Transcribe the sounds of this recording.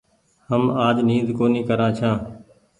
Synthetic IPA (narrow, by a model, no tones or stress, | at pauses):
həmaːd͡ʒniːzkoːniːkəɾãːt͡ʃʰãː